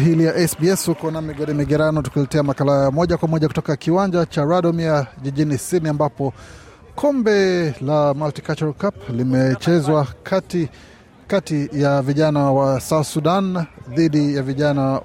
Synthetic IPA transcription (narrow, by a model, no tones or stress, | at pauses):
ɦilijaʔɛsbiɛsukɔnamiɡɔɾimiɡɛɾanutu̥kulɛtɛamakalaamɔʄakwamɔʄaku̥tɔkakiwaɲd͡ʒat͡ʃaɾaɗɔmiaʄiʄinisiniambapɔ | kʰɔmbɛlamaltikat͡ʃukaplimɛt͡ʃɛzwaati | katijaviʄanawasasuɗanðiɗijaviʄana